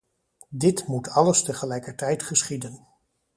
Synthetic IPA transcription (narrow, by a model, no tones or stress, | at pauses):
dɪtmutʰɑləstəχəlɛjkəɹtɛjtχəsχidən